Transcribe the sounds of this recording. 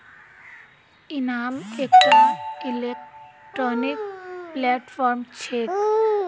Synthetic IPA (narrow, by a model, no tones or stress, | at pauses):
inamekʈailekʈɾɔnikplɛʈfɔɾmt͡ɕʰek